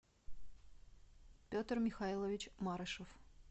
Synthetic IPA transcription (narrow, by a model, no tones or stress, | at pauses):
pʲot̪rmʲɪxailˠəvʲɪt͡ɕmaɾəʂəf